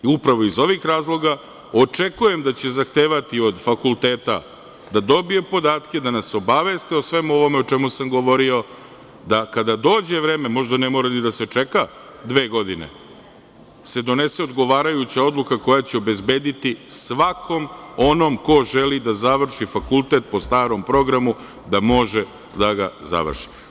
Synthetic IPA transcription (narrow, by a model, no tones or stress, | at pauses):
upɾaʋo̞izo̞ʋixɾaːzlˠo̞ɡa | o̞t͡ʂe̞kuje̞md̪at͡ɕe̞zaxt̪eːʋat̪io̞d̪fakulˠt̪e̞ːt̪a̰ | d̪ad̪o̞biepo̞d̪aːt̪ked̪anaso̞baʋe̞st̪eosʋe̞muo̞ʋo̞meo̞t͡ʃe̞musamɡo̞ʋo̞ɾio̞ | d̪akad̪ad̪o̞ːd͡ʑe̞vɾeːme̞mo̞ʒd̪anemoːɾalid̪aset͡ʂeka | d̪ʋe̞ːɡo̞d̪inḛ | se̞d̪o̞ne̞seo̞d̪ɡo̞ʋaːɾajut͡ɕao̞d̪lˠukako̞jat͡ɕeobe̞zbe̞ːd̪it̪isʋakʰo̞mo̞no̞mko̞ʒelid̪azaʋr̩ʃifakulˠt̪e̞t̪̚po̞st̪aːɾo̞mpɾo̞ɡɾamu | d̪amo̞ʒe | d̪aɡaza̰ʋr̩ʃi̥